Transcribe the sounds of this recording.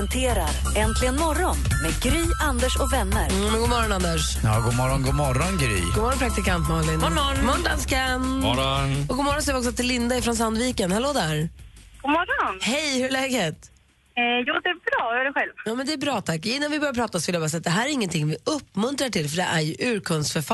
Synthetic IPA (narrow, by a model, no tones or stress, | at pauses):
nt̪ʰeːɾa̰ɾ | ɛnt̪ʰlɪɡənmɔɾɔnmeːɡɾyːʔand̪əʂɔkvɛnːəɾ | mɛɡoːmɔɾɔnand̪əʂ | jɑːɡuːmɔɾɔnɡuːmɔɾɔnɡɾy̰ːɡuːmɔɾɔnpʰɾak̚t̪ɪkant̪mɑːnlɪnɔɔmɔnd̪anskan | ɔɡuːmɔɾːɔns̬ɛːvɪɔksɔt̪ɪlːɪnd̪aɪfɾɔnsand̪viːkənhɛloːd̪æɾɡ̥ʊmɔɾɔnhɛjhʉɭɛːɡet̪ | jɑːd̪ɛæbɾɑːjœːɖɛɧɛlvjɑːmɛnd̪ɛːbɾɑːt̪ʰakːɪnːanvɪbœɾjapʰɾɑːt̪asɔvɪljabɑːsɛːat̪̚d̪ɛɦæːɾæɾɪŋːənt̪ʰɪŋːvɪɵpːmɵnt̪ɾaʈɪlfœɖɛʔæɾjɵʔʉ̟ːɾkʰɵnsfœɾfa